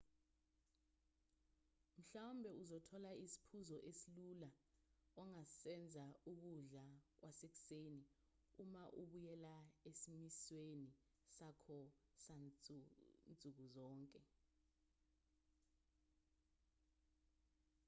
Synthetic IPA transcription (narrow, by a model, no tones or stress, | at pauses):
m̩ɬawumbʱɛuzɔtʰɔlaisi̥pʰuzɔʔesilulaɔŋasɛnd͡zʱauk̬uɮak̬wʔasek̬u̥seni | umaʔuɓujɛlaesimisweni | sakʰɔsa | nd͡zʱʼuk̬uzɔːŋkʼɛ